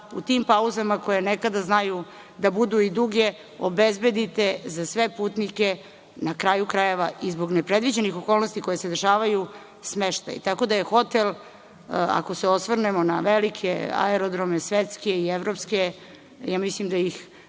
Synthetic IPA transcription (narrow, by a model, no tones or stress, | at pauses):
ṵt̪impauzamako̞jenekad̪aznaju | d̪abud̪uid̪uɡe̞ | obezbe̞d̪it̪e̞zasʋe̞puːt̪nike | nakɾaːjukɾaje̞ʋaizbo̞ɡnepɾe̞d̪ʋid͡ʑenixo̞ko̞ːlˠnost̪iko̞jesed̪rʃaːʋaju | smeʃt̪a̰jḭt̪ako̞d̪aje̞xo̞t̪el | a̰ko̞seosʋr̩nemo̞na̰ʋelikʰḛa̰eɾod̪ɾomesʋet̪skeieʋɾo̞pske̞ | jaːmislimd̪ajix